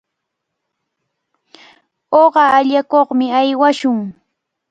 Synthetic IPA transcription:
oɢɑːʎakoχmɪajwaʃʊŋ

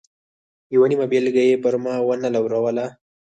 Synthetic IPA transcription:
jawanimabelɡajepəɾmɑwənalawɾawəla

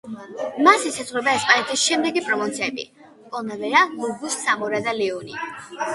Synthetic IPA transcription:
masisazʁɾɛbaɛspʼanɛt̪ʰisʃɛmd̪ɛɡipʼɾɔmɔnt̪sʰiɛbḭ | kʼɔnavɛɾaɡuɡusːamɔɾad̪alɛɔni

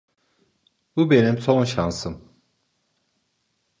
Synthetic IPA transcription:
bubenimsʰonʃansɯm

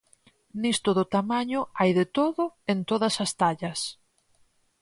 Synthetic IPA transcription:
nist̪ʊðʊt̪amaɲʊajðɪt̪oðʊent̪oðɐsɐst̪aʎɐs

